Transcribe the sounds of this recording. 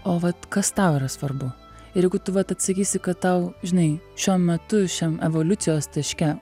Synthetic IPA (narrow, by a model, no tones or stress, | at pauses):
oːʋɐt̪kɐst̪ɐʊiːɾɐsʋɐrbʊ | ɪɾjɛɪɡʊt̪ʊʋɐt̪ɐt̪sɐkʲiːsʲɪkɐtt̪ɐʊʒʲɪnɐɪʃʲuɔmʲɛt̪ʊʃʲɛmɛʋoːlʲʊt̪sʲɪjoːst̪ʲɐʃʲkʲɛ